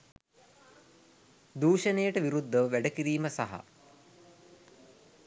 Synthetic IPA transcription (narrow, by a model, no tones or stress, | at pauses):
d̪uːʃənejəʈəʋiɾud̪ʱːəʋəʋæɖəkiɾiːməsaɦa̰